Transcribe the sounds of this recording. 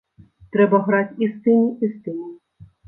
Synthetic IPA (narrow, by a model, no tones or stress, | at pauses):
t̪ɾɛbɐɣɾatʲist̪ɪnʲiʔist̪ɪnʲu